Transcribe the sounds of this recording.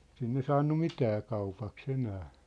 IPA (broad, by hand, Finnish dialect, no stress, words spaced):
sinːe sɑːnːu mitæː kɑupɑks enæː